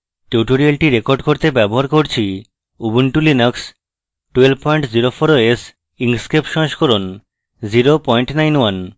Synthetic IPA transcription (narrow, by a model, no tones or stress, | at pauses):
ʈuʈoɾialʈiɾekoɾɖkoɾt̪ebɛboɦaɾkoɾt͡ɕʰi | ubuɳʈulinoks | ʈuelpɔjɳʈd͡ʑiɾofʰoɾoes | iŋskepʃɔ̃ʃkoɾon | d͡ʑiɾopɔjɳʈnajnwan